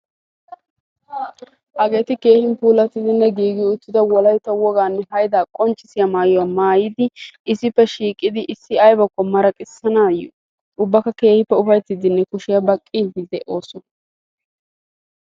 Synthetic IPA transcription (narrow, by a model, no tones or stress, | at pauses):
hɐɡe̞ːt̪ɪke̞ːhɪnpuːlɐt̪ːɪd̪ɪnːɛɡiːɡɪʊt̪ːɪd̪ɐwɔlɐjt̪ːɐwɔɡaːnːɛhɐjd̪aːkʼɔnt͡ʃʼːɪsɪjɐmaːjɔwaːmaːjɪd̪ɪɪsɪpːɛʃiːkʼɪd̪ɪʔɪsːɪɐjbɐkːɔmɐɾɐkʼɪsːɐnaːjɔ̰ | ʊbːɐkɐke̞ːhɪpːɛʊfɐjt̪ːɪd̪ɪnːɛkʊʃɪjɐbɐkʼːiːbɪd̪ɛʔo̞ːsɔ